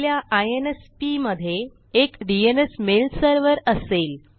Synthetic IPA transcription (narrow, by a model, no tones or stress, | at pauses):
ljaʔajenespiməd̪ʱːjeː | kɖienesmelsəɾʋəɾəsel